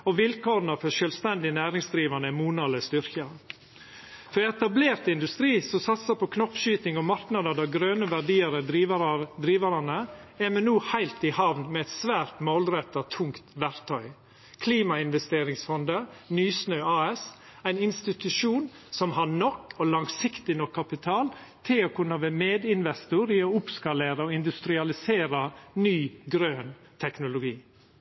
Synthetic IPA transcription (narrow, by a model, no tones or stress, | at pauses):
ɔʋɪlkoːɾnɑfɔʃœːlst̪ɛnd̪ɪnæːɾɪŋsd̪ɾiːʋɑnəmuːnɑːləst̪ʏɾkə | fɔɾɛt̪ɑbleːɾt̪ɪnd̪ʉst̪ɾiːsɔsɑt̪səpʰɔkʰnɔpːʃyːt̪ɪŋɔmɑɾknɑd̪əd̪æːɡɾøːnəʋæɖiːəɾəd̪ɾiːʋd̪ɾiːʋɑɾɑnəɛmɛnnːuːhæɪlt̪ɪhɑʋnmɛɛt̪sʋæːɾt̪moːlɾɛt̪ːɑt̪ʰʊŋkt̪ʋæɾt̪ʰœʏ | kʰliːmɑɪnʋɛst̪eːɾɪŋsfɔnd̪ənyːsnœɑːɛs | æɪnɪnst̪ɪt̪ʉʂuːn | sɔmɦɑɳɔkːɔlɑŋsɪkt̪ɪnɔkʰːɑpɪt̪ʰɑːl | t̪ʰɪloːkʰʉnːɑʋeːmeːd̪ɪnʋɛst̪ʊɾiːoʊpskɑleːɾəɔːɪnd̪ʉst̪ɾɪɑlɪseːɾɑnyːɡɾøːn | t̪ʰɛknʊlʊɡiː